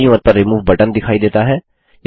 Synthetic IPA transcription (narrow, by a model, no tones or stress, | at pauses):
jũət̪̚pɐɾːimuːʋbɐʈənd̪ɪkʰaːid̪eːt̪aɦɛː | j